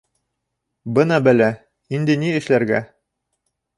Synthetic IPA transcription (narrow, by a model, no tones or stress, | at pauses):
bɤnɑbælæ | ind̪ɘ̆niɘ̆ʃlæɾɡæ̰